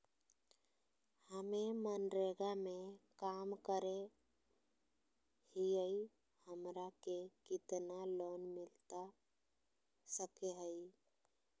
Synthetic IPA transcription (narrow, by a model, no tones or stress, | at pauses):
həmemənɾeɡamekamkəɾe | hijəi | həmɾakekɪt̪nalonmilt̪a | səkeɦəi